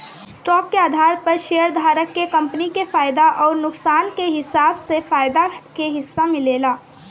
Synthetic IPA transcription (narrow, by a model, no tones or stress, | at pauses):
sʈɔːkːeaːd̪ʱaːɾpɐɾʃejəɾd̪ʱaːɾəkːekɐ̃mpnikefaːjd̪aʔɔːɾnʊksaːnkeɦɪsaːbsefaːjd̪akeɦɪsːamɪleːlaː